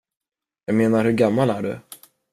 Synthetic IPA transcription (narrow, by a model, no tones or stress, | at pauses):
jɑːɡmeːnaɾhɵɾɡamːalæɖɵ̰